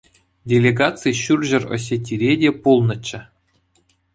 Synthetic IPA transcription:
dʲelʲeɡɑt͡sɨjɕurʲʑɘ̆ro̰s̬ʲetʲːiɾʲedʲepulˠnɤ̆t͡ɕːɘ̆

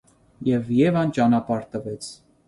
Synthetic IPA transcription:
jɛvjɛvɑnt͡ʃɑnɑpɑɾt̪əvɛt͡sʰ

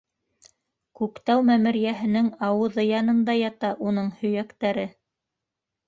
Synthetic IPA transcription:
kʉkt̪æwmæmɘ̆ɾjæɦɘ̆nɘŋɑwɤ̆ðɤjɑnɤ̆nd̪ɑjɑt̪ɑʔun̪ɤɴhɵ̆jækt̪æɾɘ

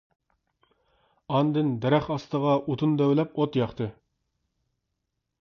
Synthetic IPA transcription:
ɑnd̪ɨnd̪ɛɾɛχɑst̪əʁɑʔut̪ʰund̪øwlɛpot̪jɑχt̪ʰɨ

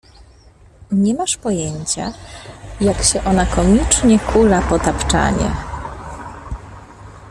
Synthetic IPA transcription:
ɲɛmaʂpɔjɛɲt͡ɕa̰ | jakɕɛʔɔnakɔmʲit͡ʂɲɛkulapɔt̪apt͡ʂa̰ɲɛ̰

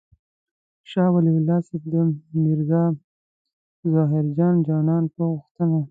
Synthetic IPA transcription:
ʃɑwaliwʊlɑsefd̪əmɪɾzɑ | zɑɦɪɾd͡ʒɑnd͡ʒɑnɑnpəɣuxt̪əna

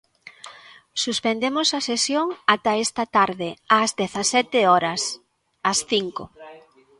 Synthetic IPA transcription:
suspend̪emosɐsesjoŋat̪ɐɛst̪ɐt̪aɾðɪazðeθɐsɛt̪ɪɔɾɐs | ɐsθiŋko̰

